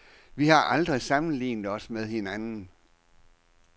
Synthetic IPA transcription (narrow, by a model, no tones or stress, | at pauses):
ʋihɑ̈ʔɑld̥ʁisɑ̈mn̩lḭːnðˠɒ̽smeð̞ˠhe̝nænn̩